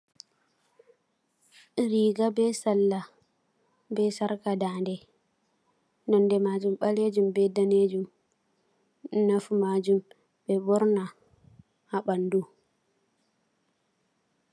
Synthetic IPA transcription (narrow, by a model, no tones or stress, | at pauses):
ɾiːɡabɛsalːa | bɛsaɾkadaːndɛ | nɔndɛmad͡ʒumɓaled͡ʒumbɛdaned͡ʒum | nafumad͡ʒum | bɛbɔɾna | haɓandu